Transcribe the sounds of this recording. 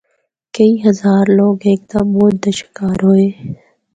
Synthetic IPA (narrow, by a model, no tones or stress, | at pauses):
kəiːɦəzaːɾloːɡeːk̚t̪aboːd̪̚d̪əʃɪ̥kaːɾɦoːeː